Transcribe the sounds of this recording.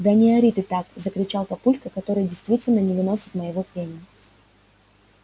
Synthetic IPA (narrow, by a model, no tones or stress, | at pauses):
d̪ɐnʲɪɐɾʲit̪ɨt̪akzəkɾʲɪt͡ɕalˠpɐpulʲkəkɐt̪o̞ɾɨjdʲɪjst̪vʲitʲɪlʲnənʲɪvɨno̞sʲɪt̪məjɪvo̞pʲenʲɪ